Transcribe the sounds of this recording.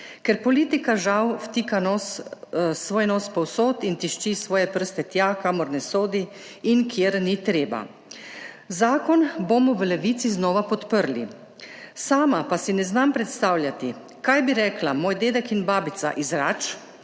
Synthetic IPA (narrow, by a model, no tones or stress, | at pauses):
kɛɾpɔliːt̪ikaʒawft̪ikanɔːs | sʋoːjnoːspɔwsoːt̪int̪iʃt͡ʃisʋɔːjɛpəɾ̩st̪ɛt̪jakaːmɔɾnɛsoːd̪iinkʰjeːɾnit̪ɾeːba̰ | zaːkɔnbomɔʋəlɛʋiːt̪siznɔːʋapɔt̪pəɾlḭ | saːmapasinɛznampɾɛt̪st̪awljat̪i | kajbiɾɛːklamoːjd̪eːd̪ɛkinbaːbit̪sa̰ʔizɾaːt͡ʃ